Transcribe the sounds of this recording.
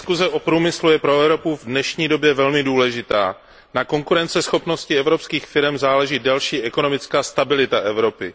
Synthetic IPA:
skuzɛʔopɾuːmɪslujɛpɾo̞ɛvɾo̞puvdnɛʃɲiːdo̞bjɛvɛlmɪduːlɛʒɪt̪a̰ː | nako̞ŋkuɾɛnt͡sɛsxo̞pno̞scɪɛvɾo̞pskiːxfɪɾɛmzaːlɛʒiːdalʃiːʔɛkono̞mɪt͡skaːst̪abɪlɪt̪aʔɛvɾo̞pɪ

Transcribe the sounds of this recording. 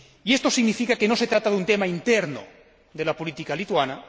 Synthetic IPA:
ie̞st̪o̞siɣnifikake̞no̞se̞t̪ɾat̪aðunt̪e̞maint̪eɾno̰ | ðe̞lapolit̪ikalit̪wana

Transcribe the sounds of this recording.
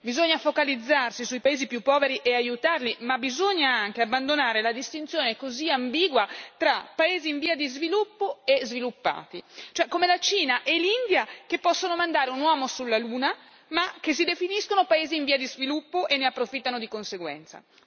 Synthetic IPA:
bizoɲːafokalid̪zːarsisuipaeːzipjupːɔːveɾiʔeajut̪arlimabːizoɲːaaŋk̟eabːand̪onaːɾelad̪ist̪int̪sjoːnekoziambiːɡwat̪ɾapːaeːziːɱviːad̪izvilupːoezvilupːa̰ːt̪it͡ʃoɛkːomelat͡ʃiːnaʔelind̪jakepːɔsːonomand̪aːɾeunwɔːmosulːaluːna | mak̟es̬id̪efiniskonopaeːziːɱviːad̪izvilupːoʔenːeapːɾofit̪ːanod̪ikonseɡwɛ̰nt̪sa̰

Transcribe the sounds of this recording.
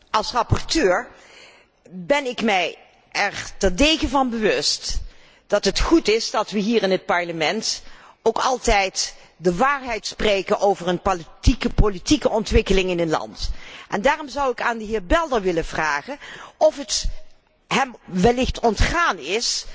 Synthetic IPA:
ʔɑlˠsrɑpɔɹtøːɹ | bɛnɪkmɛj | ɛɹtɛrdejɣəvɑnbəʋɵst | d̥ɑtɦətχutɪzdɑtʋəɦiːɹɪnɦət̚pɑɹləmɛnt | owkɑlˠtɛjt | dəʋaːɹɦɛjtsprejkənʔowvəɹənpoltikəpolitikəɔntʋɪkəlɪŋɪnənlɑ̰ntʔɛ̰ndaːrɔmzʌwɪkaːndəɦɪːɹbɛlˠdəɹʋɪləvraːχənɔfət | ɦɛmʋɛlɪxtɔntχaːnɪs

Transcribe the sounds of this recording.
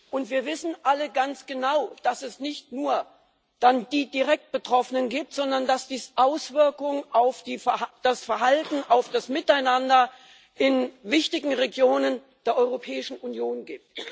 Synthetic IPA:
ʔʊntv̥iːɐvɪsn̩ʔaləɡant͡sɡ̥ənaʊd̥asɛsnɪçtnuːɐ | d̥and̥iːdiʁɛk̚t̚b̥ətʁ̥ɔfənənɡiːp̚tz̥ɔndɐndasd̥iːsʔaʊsv̥ɪɐkʊŋənʔaʊfd̥iːd̥asfɛɐɦaltn̩ʔaʊfd̥asmɪtaɪnandɐ | ʔɪnvɪçtɪɡŋ̩ʁeɡjoːnən | d̥eːɐʔɔʏʁopʰɛːɪʃn̩ʔunjoːnɡiːp̚t

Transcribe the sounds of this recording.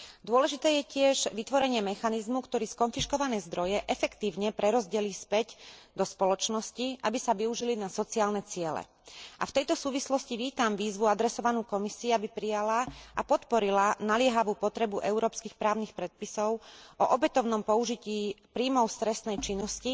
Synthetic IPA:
d̪ʊɔlɛʒit̪ɛːjɛcɪɛʒʋit̪ʋɔɾɛɲɪɛmɛxanizmukt̪ɔɾiːskɔnfiʃkɔʋanɛːzd̪ɾɔjɛʔɛfɛkt̪iːʊɲɛpɾɛɾɔzɟɛliːspɛɟd̪ɔspɔlɔt͡ʃnɔsciʔabisaʋiuʒilinasɔt͡siaːlnɛt͡sɪɛlɛ̰ | ʔa̰ft̪ɛjt̪ɔsuːʋislɔsciʋiːt̪amʋiːzʋuad̪ɾɛsɔʋanuːkɔmisiːabipɾijalaʔapɔt̪pɔɾilanalɪɛɦaʋuːpɔt̪ɾɛbuʔɛuɾɔːpskiːxpɾaːʊnixpɾɛt̪̚pisɔʊʔɔʔɔbɛt̪ɔʊnɔmpɔuʒiciːpɾiːmɔʊst̪ɾɛst̪nɛjt͡ʃinːɔsci

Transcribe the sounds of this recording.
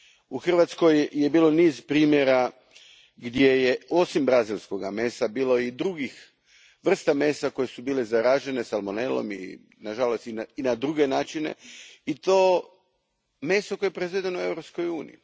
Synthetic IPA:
uxr̩ʋat̪sko̞jje̞biːlo̞niːzpɾiːmjeɾa | ɡd̪je̞je̞o̞simbɾazilʲˠsko̞ɡame̞ːsabiːlo̞id̪ɾuɡix | ʋr̩st̪ame̞ːsako̞je̞subiːlezaɾaʒe̞ne̞salmone̞lo̰mḭ | naʒalost̪inainad̪ɾuɡe̞naːt͡ʃine̞̰it̪oː | me̞ːsokojje̞pɾezʋed̪enoue̞vɾopsko̞juːnḭjḭ

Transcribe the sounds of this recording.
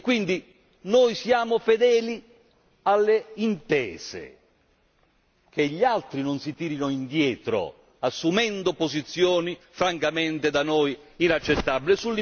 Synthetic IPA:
kːwind̪i | nojsjaːmofed̪ɛːli | alːeint̪ɛːz̥ḛ | kʰeʎːalt̪ɾinonsit̪iːɾinoind̪jɛːt̪ɾo̰ | asːumɛnd̪opozit̪sːjɔːni | fɾaŋkamɛnt̪ed̪anojinat͡ʃːet̪ːabilɪsulːi

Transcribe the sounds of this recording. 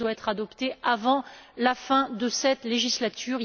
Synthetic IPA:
waɛt̪χad̪ɔpt̪eavɑ̃lafɛ̃d̪əsɛt̪leʒislat̪ʰyːʁ

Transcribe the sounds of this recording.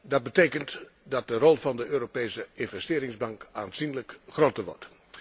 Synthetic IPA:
dɑd̚bətejkənt | dɑt̚dərɔlˠvɑndəøːɾopejsəɪnvɛstɪːɾɪŋzbɑŋkaːnzinləkχroːtəɹʋɔ̰ɹt

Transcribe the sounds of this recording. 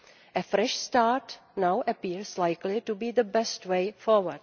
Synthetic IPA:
ʔɛfɾɛʃstaːɾtnawʔəpiːɹslajklɪtubiːðəbɛstwejfɔwəd

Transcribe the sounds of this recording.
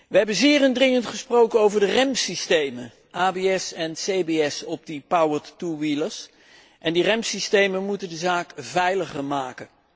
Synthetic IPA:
ʋəɦɛbənzɪːrəndrɪŋəntχəsprowkənowvəɹdərɛmsistejmə | aːbeɛsɛnsejbeɛsɔb̚dəpawəɹtːuʋiləs | ʔɛndirɛmsistejmənmutəndəzaːkvɛjləχəɹmaːkən

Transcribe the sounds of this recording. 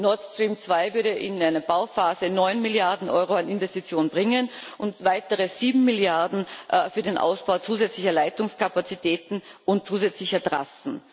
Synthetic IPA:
nɔɐtstʁ̥iːmt͡sv̥aɪvʏɐɾəʔɪnaɪnɐbaʊfaːzənɔʏnmɪljaɐdn̩ʔɔ̰ʏʁoanɪnvɛstit͡sjoːnbʁɪŋənʔʊntvaɪtəʁəz̥iːbm̩mɪljaɐdn̩fyːɐdenʔa̰ʊsb̥aʊt͡suːzɛt͡slɪçɐlaɪtʊŋskapat͡sitʰɛːtn̩ʊntt͡suːzɛt͡slɪçɐdʁa̰sn̩

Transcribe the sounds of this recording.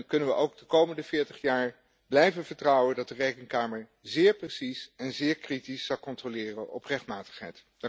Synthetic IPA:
nkɵnənʋəʔowɡ̚dəkowməndəvɪːɹtəχjaːɹ | blɛjvəvəɹtrʌwəndɑt̚dərejkənkaːməɹ | zɪːɹprəsisɛnzɪːɹkritisːɑlkɔntrolɪːrənʔɔprɛχt̚maːtə̥χɦɛ̰jt

